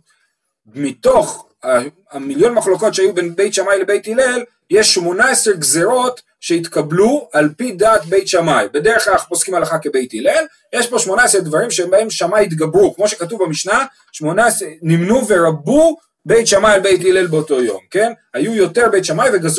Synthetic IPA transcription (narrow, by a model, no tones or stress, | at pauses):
mit̪o̞χ | a | amiljo̞nmaχlo̞ko̞tʃeajubenbe̞jtʃamajle̞be̞jtile̞l | jeʃːmo̞naeseʁɡzeʁo̞t | ʃe̞it̪kablualpidaːt̪be̞jtʃamajbe̞deʁeχlalapo̞skimalaχake̞be̞jtilel | jeʃbo̞ʃmo̞naesʁed̪vaʁimʃeembae̞mʃamajit̪ɡabʁukmo̞ʃekat̬uvbamiʃna | ʃmo̞naesenimnuveʁabu | be̞jtʃamajalbe̞jtilelbeoto̞jo̞mke̞nhajujo̞te̞ʁbe̞jt̪ʃamajveɡaz